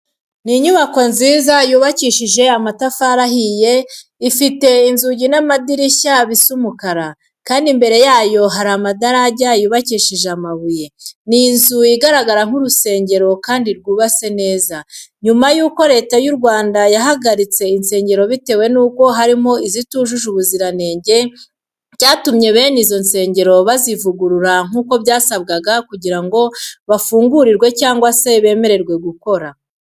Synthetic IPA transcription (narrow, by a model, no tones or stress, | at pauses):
niɲuβako̞nziːzajuːβaciːʃiʒe̞amatafaɾahije̞ | ifite̞inzuɟinamadiɾiçaβisumukaɾa | kaːndimbe̞ɾe̞jaːjo̞ɦaɾamadaɾaɟajuːβaciːʃiʒeamaβuje̞ninzujiɡaɾaɡaɾaŋ̥uɾuse̞ːɲɟe̞ɾo̞kaːndiɾɡuːβase̞ne̞ːzaɲumajuːko̞ɾe̞ːtajuɾɡwaːndajaɦaɡaɾit͡se̞inse̞ːɲɟe̞ɾo̞βite̞ːwe̞nuːko̞ɦaɾimo̞izituːʒuʒuβuziɾane̞ːɲɟe̞ | ɟaːtumɲe̞βe̞ːnizo̞nse̞ːɲɟe̞ɾo̞βazivuɡuɾuɾaŋ̥uːko̞βɟaːsab̚ɡaɡakuɟiɾaŋɡo̞βafuːŋɡuɾiɾɡwe̞caːŋɡwase̞βe̞ːme̞ɾe̞ɾɡwe̞ɡuko̞ɾa